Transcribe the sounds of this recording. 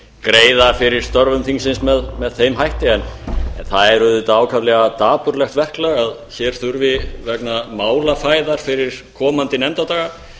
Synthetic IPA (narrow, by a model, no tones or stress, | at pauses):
kɾeːjðafɪɾɪɾ̥st̪ɔɾvʏmθiŋsɪnsmɛðmɛðθejmɦajht̪ɪɛnɛnθaðɛɾʏðʏt̪aːwkʰavlɛɣat̪aːpʏɾlɛxt̪vɛr̥klɛɣaðçɛɾ̥θʏɾvɪvɛknamaːwlafaːjðaɾ̥fɪɾɪɾ̥kʰɔːmant̪ɪnɛmt̪at̪aːɣa